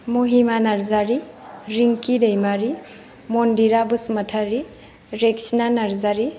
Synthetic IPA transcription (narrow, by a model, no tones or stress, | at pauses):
muɦimanaɾzaɾiɾiŋkidejmaɾi | mondiɾabɯsmɐtʰaɾi | ɾeksinanaɾzaɾi